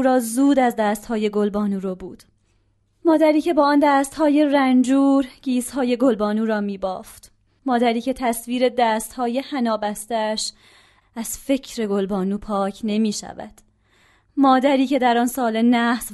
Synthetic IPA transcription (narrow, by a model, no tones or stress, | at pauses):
ɾɒːzuːd̪æzd̪æːst̪hɒːje̞ɡo̞lbɒːnuːɾobuːd̪̥ | mɒːd̪æɾiːcʰe̞bɒːɒːnd̪æːst̪hɒːje̞rænd͡ʒuːɾɟ̥iːshɒːje̞ɡo̞lbɒːnuːɾɒːmiːbɒ̰ːft̪ | mɒːd̪æɾiːcʰe̞t̪ʰæsviːɾe̞d̪æːst̪hɒːje̞hænɒːbæst̪ææʃ | æz̥fe̞cʰɾe̞ɡo̞lbɒːnuːpʰɒːcʰne̞miːʃæ̰væ̰d̪̥ | mɒːd̪æɾiːce̞d̪æɾɒːnsɒːle̞næhs